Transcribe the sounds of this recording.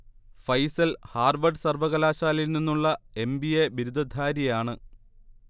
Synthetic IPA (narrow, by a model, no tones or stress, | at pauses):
fɐjsɐlhaːrʋɐɖɨsɐrʋɐɣɐlaːɕaːlilninːuɭːɐe̞mbieʋiɾud̪ʱɐd̪ʱaːɾjijaːɳɨ